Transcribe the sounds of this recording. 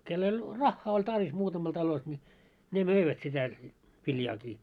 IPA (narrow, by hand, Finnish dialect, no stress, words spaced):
kelː olʲ rɑxːɑː olʲ tɑrʋis muːtɑmɑl tɑlos nʲi ne møiʋæt sitæ ʋiljɑːkiː